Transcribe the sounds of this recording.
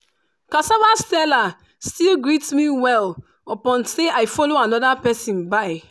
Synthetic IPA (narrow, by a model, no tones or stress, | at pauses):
kasavastɛla | stilɡɹitmiwɛl | opɔ̃nseaɪfɔloanɔdapɛsĩnbaɪ